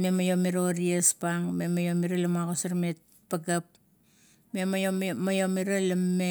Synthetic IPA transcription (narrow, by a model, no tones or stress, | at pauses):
me̞majo̞miɾoɾiespaŋme̞majomiɾalamaɡosaɾmet̚ | paɡap | me̞momajo̞miɾalɐmːe